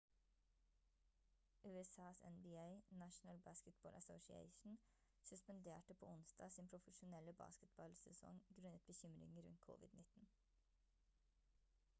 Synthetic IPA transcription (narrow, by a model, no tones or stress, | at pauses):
ʔʉːɛsɑːsɛ̰nbiːeɪnæʃn̩əlbɑːskət̪̚bɑːlʔəsɔʊʃɪḛɪʃn̩ | sʉspənd̪eːʈəpʰo̰ːʊnsd̪ɑ̰ːsiːnpʰɾʊfəʃʊnɛləbɑ̰ːskət̪̚bɑlsɛsɔ̰ŋɡɾʉnət̪̚bəçʏmɾɪ̰ŋəɾʉ̰nt̪̚kʰʊ̰ʋɪ̰d̪nɪt̪n̩